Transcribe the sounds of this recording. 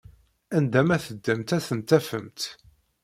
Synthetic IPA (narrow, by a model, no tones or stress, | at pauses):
ænd̪æmæθəd̪ːæmt̪æθənt̪æfə̰mt̪